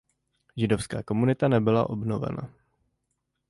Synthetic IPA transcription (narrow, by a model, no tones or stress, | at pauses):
ʒɪdofskaːko̞munɪt̪anɛbɪla̰ʔo̞bno̞vɛ̰na̰